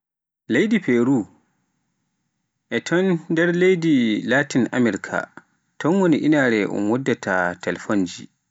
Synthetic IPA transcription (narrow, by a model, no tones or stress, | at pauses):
lejdipeɾu | ʔɛtʰɔndɛɾlejdilatinʔa̰mɛɾikʰa̰ | tɔnwoniʔinaɾɛʔɔ̰mwɔdːatatalfond͡ʒḭ